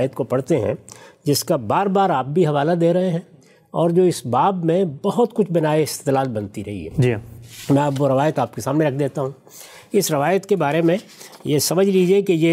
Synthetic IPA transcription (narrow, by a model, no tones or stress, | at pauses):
jət̪kopɐɽt̪eɦɛ̰̃d͡ʒɪskabaːɾbaːɾaːp̚bʱiɦɐʋaːlad̪eːɾɐɦeɦɛ̃ | ɔːɾd͡ʒoːɪsbaːbmẽbɐɦʊt̪kʊt͡ʃʰbɐnaːeɪst̪eːd̪laːl̚bɐnt̪iɾɐ̰ɦḭɦɛ̰ːd͡ʒmɛ̃ɐpʋoɾɐʋaːjət̪aːp̚kesaːmneɾɐkʰd̪eːt̪aɦũː | ɪsɾɐʋaːjət̪kebaːɾemẽ | jesɐməd͡ʒʱliːd͡ʒiekejeː